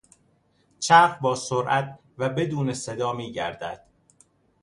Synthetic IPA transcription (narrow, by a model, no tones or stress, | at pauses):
t͡ʃʰæːfbɒːsoɾʔæt̪̚ʰ | væbe̞d̪uːnesed̪ɒːmiːɟæ̰ɾd̪æ̰d̪̥